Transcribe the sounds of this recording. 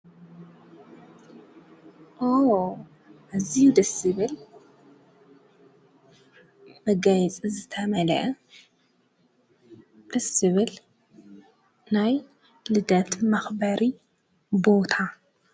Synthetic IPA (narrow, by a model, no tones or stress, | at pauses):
ʔo | ʔazijud̪ɐsɨβɨl | bɐɡajt͡sʼizɨt̪ʰɐmɐlɐʔɐ | d̪̥ɐsɨβɨl | naj | lɨd̪ɐt̪mɐxbɐɾi | bo̞t̪ʰa